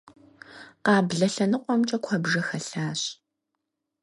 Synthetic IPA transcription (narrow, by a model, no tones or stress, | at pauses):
qɑːbɮɐɬɐnɨqʷʼɔmt͡ʃʼɐkʷʰɔbʒɐxɐɬaːɕ